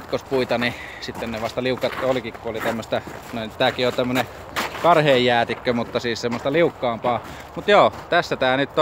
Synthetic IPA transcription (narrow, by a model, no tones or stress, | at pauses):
t̪kospuit̪ɑni | sit̪ːenneʋɑst̪ɑliukːɑt̪olikikkuolit̪æmːøst̪æ | noˑint̪æːkiont̪æmːøne | kɑrheːjjæːt̪ikːømut̪ːɑsiːssemːost̪ɑliukːɑːmpɑː | mut̪joːt̪æsːæt̪æːnyt̪ː